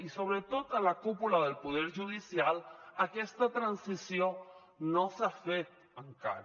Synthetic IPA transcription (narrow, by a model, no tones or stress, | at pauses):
iso̞β̞ɾet̪ot̪alakupulaðelpoðeɾʝuðisjalakest̪at̪ɾansisjo | noseafet̪ | aŋka̰ɾ